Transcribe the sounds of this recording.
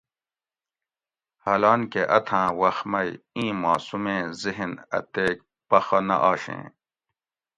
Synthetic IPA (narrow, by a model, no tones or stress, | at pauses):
hɐlaːnkeʔɐt̪ʰãːwɐxmɐjĩːmaːsumẽːziɦinɐ̰t̪eːk̚ | pɐxɐnɐ̰ʔaːɕḛ̃ː